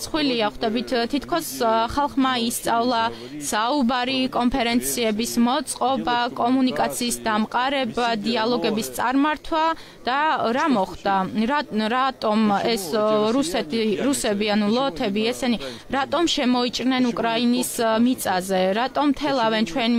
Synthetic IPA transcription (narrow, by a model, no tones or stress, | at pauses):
t̪sʰχwiliaχd̪ɛbit̪ʰt̪ʰit̪ʰkʰɔsχalˠχmaist̪sʼavlˠa | saubaɾikʼɔnpʰɛɾɛnt̪sʰiɛbismɔt̪sʼqʼɔbakʼɔmunikʼat̪sʰiːsd̪amqʼaɾɛbad̪ialˠɔɡɛbist̪sʼaɾmaɾt̪ʰwa | d̪̥aɾamɔχd̪a | ɾat̪ʼɔmɛsɾusɛt̪ɾusɛbianulˠɔt̪ʰɛbiɛsɛni | ɾat̪ʼɔmʃɛmɔit͡ʃʼɾnɛnukʼɾainismit̪sʼazɛɾat̪ʼɔmːt̪ʰɛlˠavɛnt͡ʃʰwɛn